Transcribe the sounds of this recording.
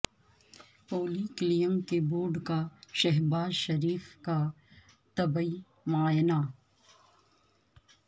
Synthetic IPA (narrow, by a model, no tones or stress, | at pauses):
poːliːklijəmkeboːɾɖkaʃɐɦbaːzʃɐɾiːfka | t̪ɐbəi | maːjna